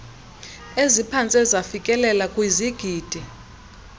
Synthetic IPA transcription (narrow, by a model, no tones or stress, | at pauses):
ezipʰant͡sʼɛzafikʼɛlɛlakʼwiziɡ̥ʱiːd̥ʱi